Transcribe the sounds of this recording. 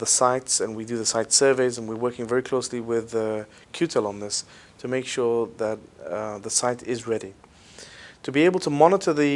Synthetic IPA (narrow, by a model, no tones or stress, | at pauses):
ðəsaɪtsɨ̃nwidɨðɨsaɪtsɜ˞veɪzə̃nwɨ˞wɜ˞kɪ̃ŋvɛɹikʰl̥oʊsliwɪðə | kʰj̥ʉtʰɛlˠə̃nðɪs | tʰɨmeɪkʃʊɹðət̪̚ðəsaɪɾɪzɹɛɾi | tʰɨbieɪbl̩ˠtʰəmɑnəɾə˞ðɨ